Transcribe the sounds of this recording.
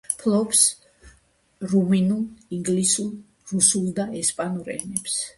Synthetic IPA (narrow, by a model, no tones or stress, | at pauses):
pʰlˠɔps | ɾuminulˠiŋɡlisulˠ | ɾusulˠd̪aɛspʼanuɾɛ̰nɛps